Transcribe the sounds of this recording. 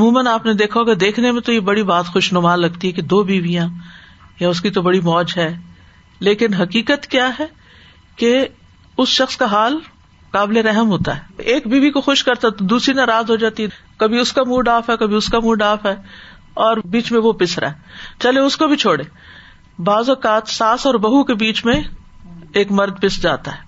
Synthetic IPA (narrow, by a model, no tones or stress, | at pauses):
mũːmənaːpned̪eːkʰaɦoːɡad̪eːkʰnemẽt̪ojebɐɽibaːt̪xʊʃnʊmaːlːɐɡt̪iɦɛked̪oːbiːʋijã | jaʊskit̪obɐɽimɔːd͡ʒɦɛː | leːkɪnɦɐkiːkət̪kjaːɦɛ | ke | ʊsʃɐxskaɦaːl | kaːbleɾɛɦəmɦoːt̪a̰ɦɛːeːkbʱiːbikoxʊʃkɐɾt̪aɛt̪od̪uːsɾinaːɾaːzɦod͡ʒaːt̪iɦɛkɐbʱiʊskamuːɖaːfɦɛkɐbʱiʊskamũːɖaːfɦɛː | ɔːɾbiːt͡ʃmẽʋopɪsɾa̰ːɦɛt͡ʃɐleʊskobʱit͡ʃʰoːɽeː | baːzɔːkaːt̪saːsɔːɾbɐɦukebiːt͡ʃmẽ | eːkmɐɾd̪̚pɪsd͡ʒa̰ːt̪aɦɛː